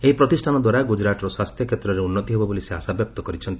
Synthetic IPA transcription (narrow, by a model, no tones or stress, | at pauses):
eɦipɾɔt̪isʈʰanɔd̪waɾaɡud͡ʒɾatɔɾɔswast̪ʰjɔkʰet̪ɾɔɾeunːɔt̪iɦebɔboliseɦasabjɔp̚t̪ɔkɔɾit͡ʃʰɔnt̪i̥